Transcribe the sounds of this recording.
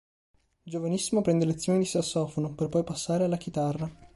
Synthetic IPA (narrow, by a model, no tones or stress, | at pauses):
d͡ʒovanisːimopɾɛnd̪elet̪sːjoːnid̪isasːɔːfonoperpɔjpasːaːɾealːak̟it̪arːa